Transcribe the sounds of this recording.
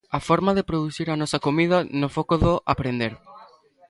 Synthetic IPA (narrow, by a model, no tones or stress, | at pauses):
afoɾmaðepɾoðuθiɾanɔsakomið̞ɐnofokoðoʔapɾend̪eɾ